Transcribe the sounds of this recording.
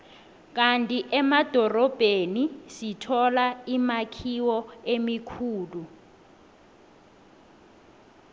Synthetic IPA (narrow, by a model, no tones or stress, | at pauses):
k̬ʼantʼiʔɛmad̥ʱɔrɔb̥ʱenisitʰɔlaimakʰiwɔemikʰuːlu